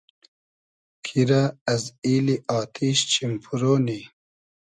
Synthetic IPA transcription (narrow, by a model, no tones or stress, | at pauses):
kʰiɾaɐziːliʔɑːt̪ʰiɕt͡ɕimpʰuɾoːni